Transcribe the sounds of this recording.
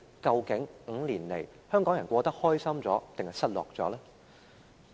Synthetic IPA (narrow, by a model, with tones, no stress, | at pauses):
kɐ˧wkɪ˨˥ŋŋ̩˨˧liː˨˩nle˨˩j | hœː˥ŋkɔː˨˥ŋjɐ˨˩nkʷɔː˧t̪ɐ˥k̚hɔː˥jsɐ˥mt͡sɔː˨˥t̪ɪ˨ŋhɐ˨˧jsɐ˥t̚lɔː˨k̚t͡sɔː˨˥laː˥